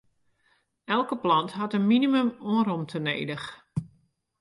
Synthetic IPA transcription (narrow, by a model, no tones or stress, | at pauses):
ɛlˠkəplɑntɦatənminimømoəɾomtʰənḛːdəx